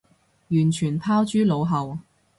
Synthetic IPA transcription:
jyː˨˩nt͡ʃʰyː˨˩npʰaː˥wt͡ʃyː˥lo˨˧wɦɐ˨w

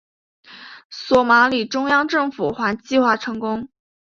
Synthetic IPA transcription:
swɔ˨˩ma˧˥li˨˩ʈ͡ʂʊ˥ŋjɑ˥ŋʈ͡ʂɤ˥˩ŋfu˨˩xwa˧˥nt͡ɕi˥˧xwa˥˩ʈ͡ʂʰɤ˧˥ŋkʊ˥ŋ

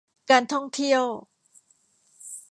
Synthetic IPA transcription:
kaː˧nt̪ʰɔ˥˩ŋt̪ʰi˥˩əw

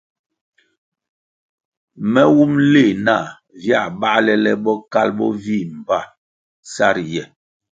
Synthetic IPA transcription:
mɛ˦wu˦mle˦˨na˦˨ | vja˦˨ba˦lɛ˦lɛ˦bɔ˦ka˦lbɔ̰˦vi˦˨m̩˨ba˦˨ | sa˦ɾjɛ˨

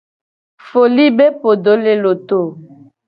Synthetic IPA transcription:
fo˨li˦be˦po˨do˨˦le˦lo˨to˦˨

